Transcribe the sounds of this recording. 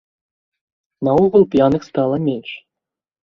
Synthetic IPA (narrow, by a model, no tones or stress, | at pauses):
nɐɔɣulˠpʲjanɨxst̪alˠɐmʲenʂ